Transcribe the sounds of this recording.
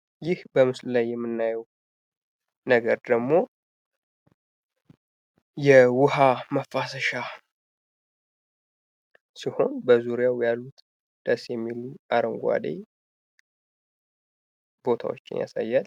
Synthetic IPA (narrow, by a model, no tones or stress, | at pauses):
jɪhbəmɨsllajːɛmːɨnːajəw | nəɡəɾd̪əɡmo̞ | jɛwʊhaməfːasəʃa | siho̞nbəzuɾijawjalːut̪ | d̪̥əsjɛmːiluʔaɾəŋɡʷa̰d̪ḛ | b̥o̞t̪ʰa̰wo̰t͡ʃːɪ̰nja̰sa̰jːal